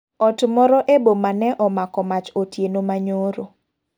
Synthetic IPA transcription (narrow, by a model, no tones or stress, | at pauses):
ɔtmɔɾɔʔebomanɛʔɔmakɔmat͡ʃotjenomaɲoɾo